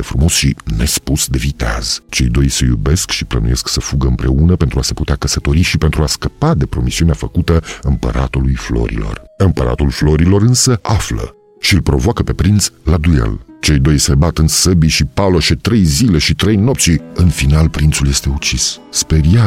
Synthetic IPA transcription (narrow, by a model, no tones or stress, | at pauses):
efɾumo̞sʃine̞̰spusd̪e̞vit̪a̰z̥t͡ʃe̞̰jd̪o̞jsejṵbe̞skʃiplənṵje̞sksəfuɡəɨmpɾe̞unəpent̪ɾuaseput̪eakəsət̪o̞ɾiʃipent̪ɾuaskəpad̪e̞pɾo̞misiuneafəkut̪əɨmpə̰ɾat̪ulujflo̞̰ɾḭlo̞̰rɨmpəɾa̰t̪ulflo̞ɾilo̞ɾɨnsəʔaflə̰ | ʃiɨlpɾo̞̰voakəpe̞pɾint̪slad̪ujḛlt͡ʃejd̪o̞jsebat̪ɨnsəbiʃipaloʃet̪ɾe̞jzile̞ʃit̪ɾejnop̚t̪siɨnfinalpɾint̪sulje̞st̪e̞ut͡ʃisspeɾia